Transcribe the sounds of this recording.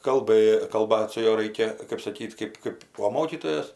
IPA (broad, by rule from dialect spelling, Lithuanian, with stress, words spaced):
kɐlˠˈbɘ kɐlˠˈbɐt sʊ ˈjuɔ ˈrɐɪkʲɛ kɜp sɐˈkʲiːt ˈkɜp ˈkɜp oː ˈmoːkʲiːtoːjoːs